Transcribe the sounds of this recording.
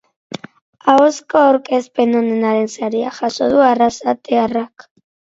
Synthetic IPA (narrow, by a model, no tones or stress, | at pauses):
aoskoawɾkʼespenonenaɾe̞nsaɾia̰xasoðuarasat̪earak